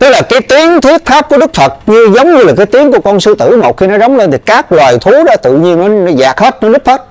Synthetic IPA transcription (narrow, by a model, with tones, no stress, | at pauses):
t̪ɨ˦˥k̚laː˨˩kaː˨˦jt̪i˨˦əŋt̪ʰwi˦˥ət̚faː˦˥p̚ku˧˩əɗɨ˦˥k̚fə˨˩t̚ɲɨ˧zə˨˦wŋ͡mɲɨ˧laː˨˩kaː˨˦jt̪i˨˦əŋku˧˩əkɔ˧nsɨ˧t̪ɨ̰˧˩mo˨˩t̚xi˧nɔ˨˦zə˨˦wŋ͡mle˧nt̪ʰi˨˩kaː˦˥k̚lwaː˨˩jt̪ʰu˨˦ɗɔ˨˦˥t̪ɨ̰˧˨ɲi˧ənɔ˨˦nɔ˨˦zaː˨˩k̚he˦˥t̚nɔ˨˦nɨ˦˥he˦˥t̚